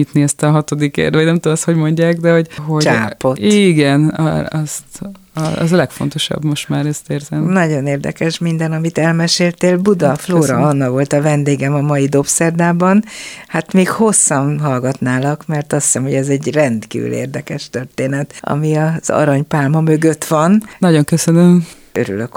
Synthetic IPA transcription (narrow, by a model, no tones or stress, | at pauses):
it̪niɛst̪ɒɦɒt̪o̞d̪ikḛːrd̪ɒnɛmt̪omɛst̪ho̞ɟmo̞ɲɟaːɡd̪ɛho̞ɟɦo̞t͡ʃaːpo̞tiːɡɛnɒ̰ɒst̪ | ɒɒ̰zlɛkfo̞̰nt̪o̞ʃɒ̰bmo̞ʃt̪maːɾɛst̪eːrzɛmnɒɟo̞neːrd̪ɛ̰kɛʃmind̪ɛnɒmit̪ɛlmɛʃeːlt̪eːlbud̪ɒfloːɾɒɒnːɒkʋo̞lt̪ɒvɛnd̪eːɡɛmɒmɒjid̪o̞psɛrd̪aːbɒnhat̪meːkho̞sːɒmɦɒlɡɒt̪naːlɒkmɛrt̪ɒsi̥sɛmho̞ɟɛzɛɟrɛnt̪kḭːvy̰lḛːrd̪ɛkɛʃt̪ørt̪eːnɛt̪ɒ̰miɒz̥ɒ̰ɾɒɲpaːlmɒmø̞ɡøt̪ʋɒnnɒɟo̞ŋkøsønøm | ø̰ɾy̰løk